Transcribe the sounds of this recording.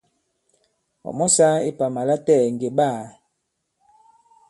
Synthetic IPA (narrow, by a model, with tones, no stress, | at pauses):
ɔ̰˨mɔ˦sa˦i˦pa˨ma˨la˦tɛ˦˨ŋ˨ɡe˨ba˦˨